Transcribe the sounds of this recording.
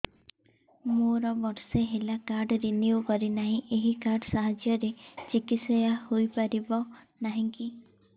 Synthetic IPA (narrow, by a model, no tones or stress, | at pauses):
moɾɔbɔɾseɦelakaɾɖɾiniukɔɾinaɦĩʔeɦikaɾɖsaɦad͡ʒjɔɾet͡ʃikit̪sɔjahojpaɾibɔ | naɦĩŋki